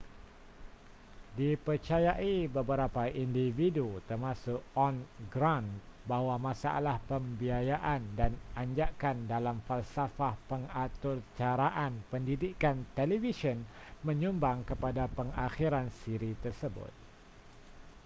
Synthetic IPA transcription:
dipərt͡ʃajaʔibəbəɾapaʔindividut̪ərmãsʊkɔnɡɾanbawamãsa̰a̰lahpəmbiajaʔandanaɲd͡ʒaʔkandalamfalsafahpəŋat̪ʊrt͡ʃaɾaʔanpəndidikant̪elivisiɔnmə̃ɲũmbaŋkəpadapəŋaxiɾansiɾit̪ərsəbʊ̰t̪̚

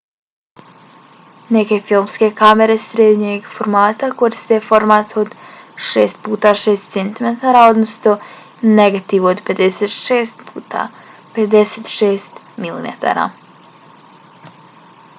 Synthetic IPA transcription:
ne̞ke̞filˠmske̞kameɾesɾed̪ɲeɡfoɾmaːt̪ako̞ɾist̪efo̞ɾmaːt̪o̞d̪ʃḛːst̪̚puːt̪aːʃeːst̪sent̪imet̪aɾaːo̞d̪nost̪o | neɡat̪iʋood̪pe̞d̪eseːt̪ʃeːst̪puːt̪a̰ː | ped̪e̞seːt̪ʃeːst̪ | milḭmḛt̪a̰ɾa̰ː

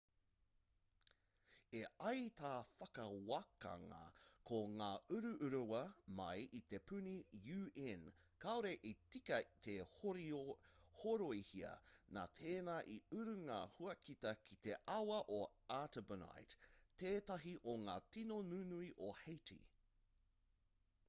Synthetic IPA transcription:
eɐjt̪aːfɐkɐwakɐ̰ŋɐ̰kʰoŋaːʉɾʉʔʉɾuwɐmɐjʔit̪e̞pʰʉnijʉːɛn | kaoɾeʔitikɐt̪ʰe | hoɾoihiɐ̰na̰ːt̪ʰeːnaʔiʉɾʉŋa̰huɐkit̪ɐkʰit̪e̞ʔɐwɐʔoatəbəna̰jtteːtɐɦiʔoŋaːtinonʉnuiʔohejtʰḭ

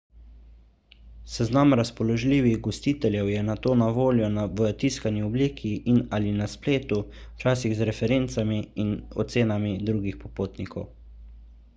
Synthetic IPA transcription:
sɛznamɾaspɔlɔʒliːʋiɣɡɔst̪iːt̪ɛljɛwjɛnat̪oːnaʋoːljɔnaʋət̪iːskanjiɔbliːkʰiʔinalinaspleːt̪ut͡ʃaːs̬iɣzɾɛfɛɾeːnt̪samiːnɔ̰t̪seːnamid̪ɾuːɡixpɔpoːt̪nikʰɔ̰w

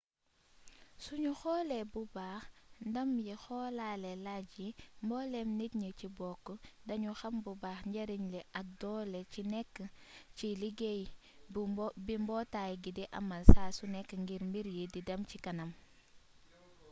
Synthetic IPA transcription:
suɲuxɔːlɛbubaːxndɐmjixɔːlaːlɛlaɟimbɔːlɛmnit̚ɲəcibɔkːədɐɲuxɐmbubaːxɲɟɐɾiɲlɛʔɐk̚dɔlɛcinɛkːəciliɡej | bimbɔːtaːjɡidiʔɐ̰mɐlsaːsunɛkːəŋɡiɾmiɾjididɐmcikɐnɐm

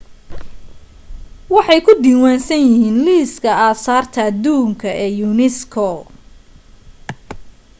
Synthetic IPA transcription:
wɑħɑjkʰʊd̪iːwaːnsɐnjɪhiːnliːskʰɐaːsaːrt̪ʰɐːd̪uːŋkʰɐʔɛːjunɛskʰɔ

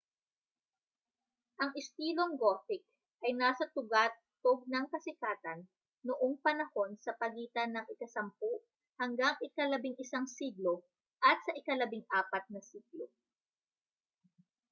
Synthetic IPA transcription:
ʔɐŋɪst̪iːlo̞ŋɡoːfɪk̚ | ʔɐjnaːsɐt̪ʊɡat̪ː | oɡ̚nɐŋkɐsɪkaːt̪ɐnː | oʔoŋpɐnɐho̞nsɐpɐɡiːt̪ɐnɐŋɪkɐsɐmpo | hɐŋɡaŋʔɪkɐlɐbiŋʔɪsaŋsiɡlo̞ | ʔɐt̪̚sɐʔɪkɐlɐbɪŋʔaːpɐt̪̚nɐsiːɡlo

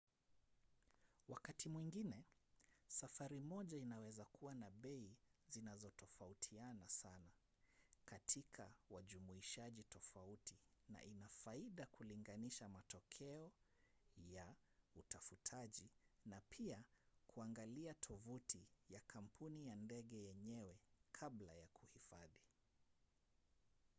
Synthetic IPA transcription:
wakatimwiŋɡinɛ | safaɾimɔʄainawɛzakʰuwanaɓɛizinazɔtɔfautʰianasana | katʰikʰawaʄumuiʃaʄitɔfautina̰ʔinafaiɗakuliŋɡaniʃamatɔkʰɛɔ | jautafutʰaʄinapʰiakʰuaŋɡaliatʰɔvutʰijakʰam̩pʰunijandɛɠɛjɛɲɛwɛkʰaɓlajakʰuhifaði

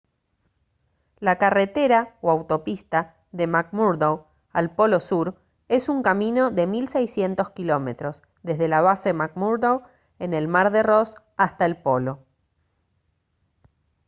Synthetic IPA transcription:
lakare̞t̪e̞ɾaoawt̪o̞pist̪a | ðe̞mak̚muɾdow | alpo̞lo̞suɾ | e̞suŋkamĩno̞ðe̞milsejsje̞nt̪o̞skilo̞me̞t̪ɾo̞z | ðe̞zð̞e̞laβ̞asemak̚muɾðow | ene̞lmaɾðe̞ro̞s | ast̪aelpo̞lo̞

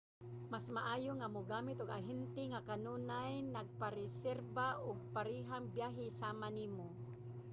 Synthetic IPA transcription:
masmaʔaːjʊŋamʊɡaːmɪt̪ʊɡa̰ɦɛnt̪ɪŋakanuːnajnaɡ̚paɾɛsɛɾbaʔʊɡ̚paɾiːɦaŋbjaːɦɪsaːmaniːmo

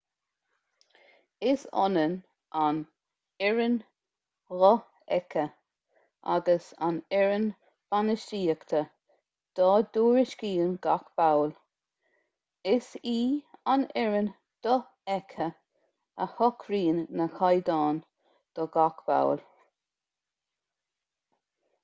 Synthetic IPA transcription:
ɪsɔ̰nən | ʔan | ɛɹən | ɣɔ | ɛ̰kʰə | ʔa̰ɡəsa̰nɛɹən | b̥anəʃtiːəkt̪ʰə | d̪̥ɔːd̪uːɹɪʃkiːənɡ̥akb̥awl | ɪsiːanɛɹən | d̪̥ɔ | ɛkʰə | əhɔkʰɾiːnːəxajd̪ɑːn | d̪̥ɔɡakb̥a̰wl

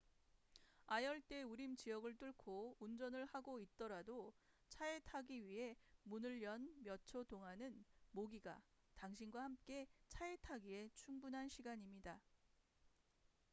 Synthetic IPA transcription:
ajʌɭt͈e̞uɾimt͡ɕijʌɡɯɭt͈uɭkʰound͡ʑʌnɯɭhaɡoit̚t͈ʌɾado | t͡ɕʰae̞tʰaɡiɥiɦe̞munɯɭjʌnmjʌt͡ɕʰodoŋɦanɯnmoɡiɡa̰taŋɕʰinɡwahamk͈e̞t͡ɕʰae̞tʰaɡie̞t͡ɕʰuŋbunɦanɕʰiɡaɲimɲida

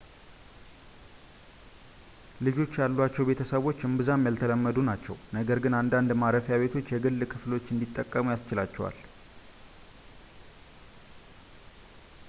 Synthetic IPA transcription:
lɨd͡ʒo̞t͡ʃːjalːwat͡ʃːɛwbe̞t̪ʰəsəβo̞t͡ʃːɨmbɨzamjalt̪ʰələmːəd̪unat͡ʃːɛ̰wnəɡəɾɡɨnand̪and̪maɾəfjaβe̞t̪ʰo̞t͡ʃːjɛɡɨlːkʰɨflo̞t͡ʃːɨnd̪it̪ʼːəkʼːəmujast͡ʃɪlat͡ʃːɛ̰wa̰l

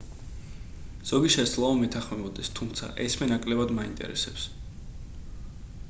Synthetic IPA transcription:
z̥ɔɡiʃɛslˠaɔmɛt̪ʰaχmɛbɔd̪ɛst̪ʰumt̪sʰa̰ʔɛsmɛnakʼlɛbad̪maint̪ʼɛ̰ɾɛ̰sɛps

